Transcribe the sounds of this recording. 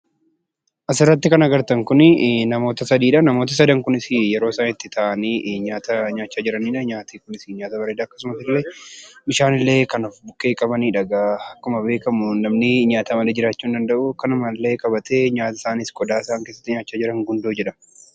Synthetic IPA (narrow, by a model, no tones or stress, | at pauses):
ʔɐsɪrːɐt̪ːɪkɐnɐɡɐɾt̪ɐŋkʊnnɐmo̞ːt̪ɐsɐd̪iːᶑɐnɐmo̞ːt̪ɐs̬ɐd̪ɐŋkʊnɪsɪjɛɾo̞ːɪsaːnɪt̪ːɪt̪ʰaʔɐniːʔɲaːt̪ɐɲaːt͡ʃːaːd͡ʒɪɾɐniːᶑɐɲaːt̪iːkʊnɪsɪɲaːt̪ɐbɐɾeːd̪aːkːɐsʊmɐsɪlːebɪʃaːnɪlːe̞ːkɐnɔfbʊkːe̞ːkʼɐbɐniːᶑɐɡaɐkːʊmɐbe̞ːkɐmʊnɐmnɪɲaːt̪ɐmɐleːd͡ʒɪɾaːt͡ʃːuːnd̪ɐnd̪ɐʔʊkɐnɐmɐlːe̞ːkʼɐbɐt̪ʰeɲaːt̪ɐ̥saːnɪskʼɔd̪aːɪsaːŋkesːɐ̥t̪ːɪɲaːt͡ʃːaːd͡ʒɪɾɐŋɡʊnd̪oːd͡ʒɛᶑɐ